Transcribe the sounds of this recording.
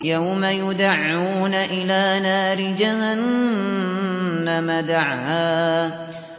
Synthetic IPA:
jawmajʊd̪aʕːuːnaʔɪlaːnaːɾɪd͡ʒahan | amad̪aʕhaː

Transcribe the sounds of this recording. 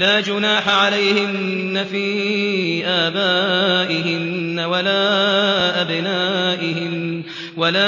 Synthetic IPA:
laːd͡ʒʊnaːħaʕalajhɪnː | afiː | ʔaːbaːʔɪɦɪnːawalaːʔabɪnaːʔɪhɪm | walaː

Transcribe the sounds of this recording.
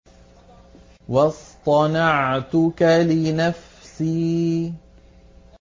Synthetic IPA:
wɑst̪ˤɑnɑʕt̪ʊkalɪnafsiː

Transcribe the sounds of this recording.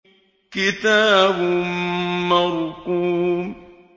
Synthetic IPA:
kitabumaɾuku

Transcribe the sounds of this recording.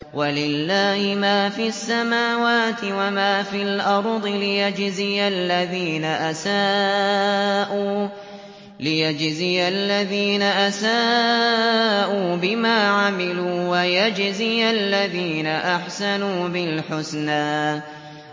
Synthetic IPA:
walɪlːaːhɪmaːfiːasːamaːwaːt̪ɪwamaːfiːlʔɑɾˤd̪ˤɨlɪjad͡ʒzijalːaðiːnaʔasaː | ʔuː | lɪjad͡ʒzijalːaðiːnaʔasaː | ʔuːbɪmaːʕamɪluːwajad͡ʒzialːaðiːnaʔaħsanuːbɪlħʊsnaː

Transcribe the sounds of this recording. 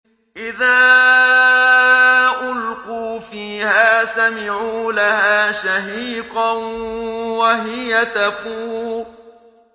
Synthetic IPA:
ʔɪðaː | ʔʊlquːfiːhaːsamɪʕuːlahaːʃaɦiːqɑnwaɦɪjat̪afuː

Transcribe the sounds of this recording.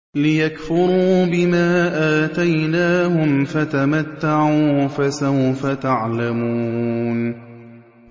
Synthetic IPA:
lɪjakfʊɾuːbɪmaːʔaːt̪ajnaːhʊmfat̪amat̪ːaʕuːfasawfat̪aʕlamuːn

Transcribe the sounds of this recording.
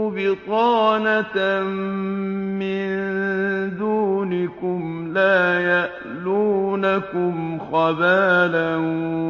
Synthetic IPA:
bɪt̪ˤɑːnat̪ | mɪnn | d̪uːnɪkʊmlaːjaʔ | luːnakʊmxɑbaːlan

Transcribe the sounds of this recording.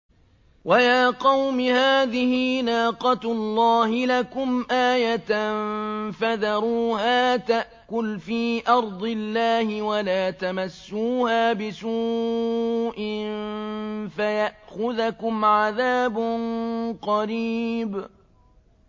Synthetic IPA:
wʔajaːqɑwmɪhaːðɪhiːnɑːqɑt̪lˤːɑːhɪlakʊmʔaːjat̪nfaðɑɾˤuːhaːt̪aʔkʊlfiːʔɑɾˤd̪ˤɪlːaːhɪwalaːt̪amasːuːhaːbɪsuː | ʔɪn | fajaʔxʊðakʊmʕaðaːbnqɑɾiːb

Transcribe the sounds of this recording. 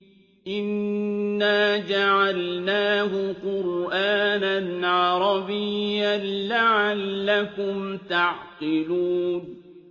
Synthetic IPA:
ʔɪnː | aːd͡ʒaʕalnaːɦʊqʊɾʔaːnanʕɑɾˤɑbɪjːanlaʕalːakʊmt̪aʕqɪluːn

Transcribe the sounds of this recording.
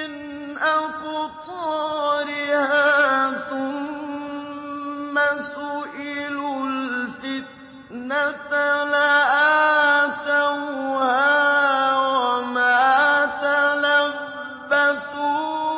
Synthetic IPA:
ɪn | ʔakʊt̪ˤɑɾɪhaːθʊm | asʊʔɪlʊlfɪt̪ | nat̪alaʔa | t̪awhaː | wamaːt̪ala | bbːaθu

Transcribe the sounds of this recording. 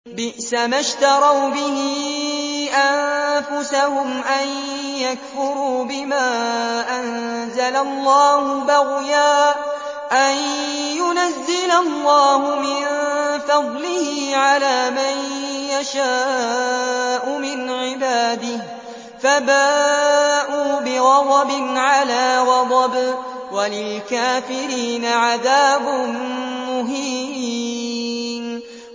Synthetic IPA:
bɪʔsamaʃt̪ɑɾˤɑwbɪɦɪ | ʔanfʊsahʊmʔanjakfʊɾuːbɪmaːʔan | zalalˤːɑːhʊbaɣjaː | ʔan | jʊnazːɪlalːɑːɦʊmɪnfɑd̪ˤlɪhɪʕalaːmanjaʃaː | ʔʊmɪnʕɪbaːd̪ɪh | fabaːʔuːbɪɣɑd̪ˤɑbɪnʕalaːɣɑd̪ˤɑb | walɪlkaːfɪɾiːnaʕaðaːbʊnmʊɦiː | n

